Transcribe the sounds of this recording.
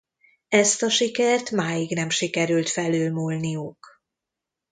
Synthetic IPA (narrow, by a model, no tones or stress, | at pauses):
ɛst̪ɒʃikɛrt̪maːjiɡnɛmʃikɛɾylt̪fɛløːlmulnijuk